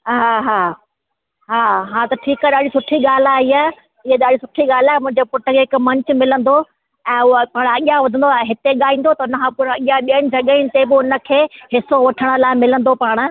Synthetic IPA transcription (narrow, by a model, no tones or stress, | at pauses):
ɦaːɦaː | ɦaːɦãːt̪ɐʈʰiːkaɗaːɽisʊʈʰiɠaːl̤aːɦiaː | ɪɦeɗaːɽisʊʈʰiɠaːl̤aːɪmʊ̃ɦɪ̃ɲd͡ʑepʊʈəkʰeːɦɪkmɐ̃ɲt͡ɕʊ̆mɪlə̃nd̪o | ɛ̃ːʊəpaːɽ̃ɐɠɪjãʋɐd̪ʱə̃nd̪oɦɪt̪eɠaːĩːn̆d̪ot̪ɐʊnəkʰãːpʊɾɐɠijaɓiəɽ̃ɪ̆d͡ʑɐɠiñɪ̆t̪ebɪʊnə̆kʰeːɦɪsoʋɐʈʰəɽ̃ə̆laːɪmɪlə̃nd̪opaːɽ̃ə